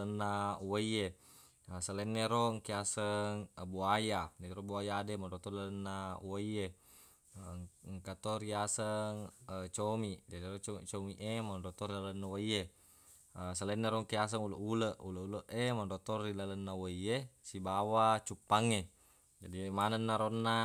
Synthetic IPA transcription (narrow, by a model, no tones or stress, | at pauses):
ənːawaie | əsalɛnːeɾoŋkiasəŋbuajad͡ʒadiɾobuajademandot̪ɔrilalənːawaie | ŋkat̪oɾiasəŋət͡ʃomid͡ʒadirot͡ʃot͡ʃomiʔemanndot̪orilalənːawaje | əsalenːeɾoŋkias̬əŋuləʔuləʔuləuləʔemandot̪oːilalənːawoiesibawat͡ʃupːaŋːe | d͡ʒadimanənːaɾonːa